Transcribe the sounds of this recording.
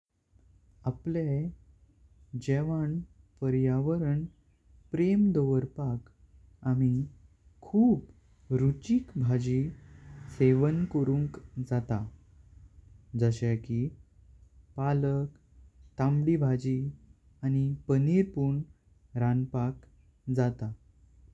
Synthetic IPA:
aple | d͡ʑeʋaɳ | pəɾjaʋəɾəɳ | pɾemd̪oʋəɾpak | ami | kʰuːb | ɾut͡ɕikbʱad͡ʑi | seʋənkəɾũŋkd͡zat̪a | d͡zəɕeki | palək | t̪ãmɽibʱad͡ʑi | añipəniɾpuɳ | ɾanpak | d͡zat̪a

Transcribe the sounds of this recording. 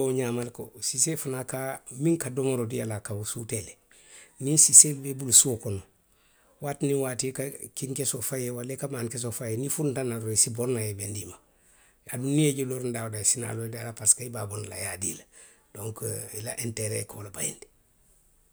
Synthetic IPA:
oɲamalkosisefunakamiŋkadomoɾodijalakawusutele | ninsisebebulsukono | waːtniwaːtikakiŋkesofajewalekamankes̬ofajenifuntanaoisiboɾnajebendima | adunieɟeloɾndawdasina̰lodialapaskaibaːbonla̰jadḭla | d̥oŋkilaʔenteɾḛkolabajḭndi̥

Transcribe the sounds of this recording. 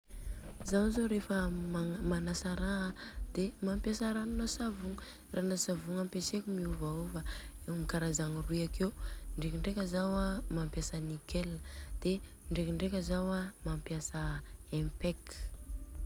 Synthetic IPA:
zawzoɾefəmamanasaɾaad̪̥emampjasaɾanunasavuŋə | ranasavuŋampesekumiuvaovaewmikaɾazaŋiruakewɳɖ͡ʐekiɳɖ͡ʐekʲəzawamampjasənikeləd̪̥e | ɳɖ͡ʐekiɳɖ͡ʐekʲəzawamampjasəempek

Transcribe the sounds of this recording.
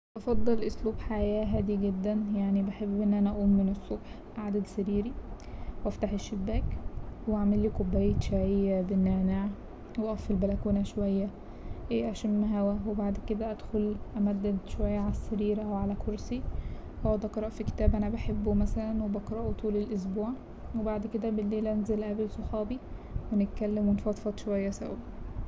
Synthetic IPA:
ʔɑfɑd̪ˤːɑlʔosluːbħajæːɦæːd̪iɡed̪ːænjaʕnibaħebːʔenːʔænæʔæʔuːmmenesˤːobħ | ʔaʕd̪æd̪sæɾiːɾi | wʔæft̪aħeʃːebːæːkwwʔaʕmelːiːkobːæjːet̪ʃaʕejːæbenːeʕnaʕ | weʔɑfelbælækuːnæʃowæjːæ | ʔeːʔæʃæmmæɦæwæwebaʕd̪ked̪æʔæd̪xolʔæmæd̪ːæʃowæjːæʕalæsːæɾiːɾæwʕalækʰoɾsihowæd̪ɑqɾˤɑʔfike̥t̪æːbʔænæbæħebːomæsælænwebɑqɾˤɑʔot̪ʰuːlelʔos̬buːʕ | webaʕd̪ked̪æbelːeːlʔænzelʔæbelsˤoħɑːbiwenet̪̚kælːemwenfɑt̪ˤfɑt̪ˤʃowæjːæsæ̰wi

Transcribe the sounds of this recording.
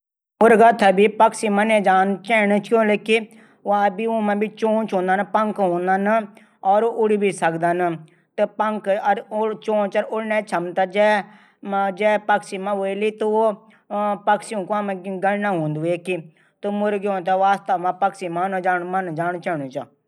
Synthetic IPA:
mʊɾɡaːt̪ʰabiːpəksiːmanẽːd͡ʒaːnt͡ʃɛːnət͡ʃʰkoːleki | abiõːmãːbit͡ʃõːt͡ʃɦõːnd̪aːnapəŋkɦõːnd̪aːnə | ɔːɾoʔʊɽiːbiːsəkd̪aːnə | t̪epəŋkəɾt͡ʃõːt͡ʃəɾʊɽnɛːt͡ʃʰəmt̪ad͡ʒɛː | d͡ʒɛːpəksimãːʋoiliːt̪uo | pəksiõkoamẽɡəlnaːɦõːnd̪eːki | t̪umʊɾɡõːnt̪aʋaːst̪aːmãːpəksimãːnãːd͡ʒaːnmand͡ʒaːnt͡ʃɛːnũːt͡ʃa

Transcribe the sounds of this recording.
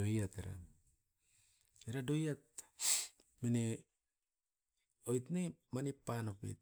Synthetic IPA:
ojateɾa̰ | eɾadojat̚ | mine | ojtnemanipːanopḭt̚

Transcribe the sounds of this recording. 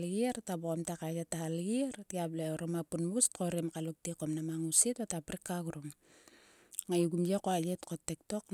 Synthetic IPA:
lɡiɾtaboamtakajetːahalɡiɾtiableoɾomapunmustkoɾemkalok̚tikomnamaŋusitatapɾikːaɡuɾum | ŋajuɡumjekoaletkotːek̚to̞k

